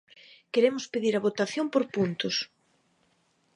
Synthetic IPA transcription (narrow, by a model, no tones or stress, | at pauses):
keɾemʊspeðiɾɐβot̪aθjompoɾpunt̪ʊs